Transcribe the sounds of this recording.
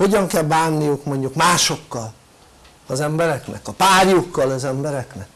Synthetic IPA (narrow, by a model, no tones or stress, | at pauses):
ho̞ɟɒŋkɛlbaːnːijukmo̞ɲɟukmaːʃo̞kːɒl | ɒzɛmbɛɾɛknɛ̰kɒpaːrjukːɒlɒzɛmbɛɾɛknɛk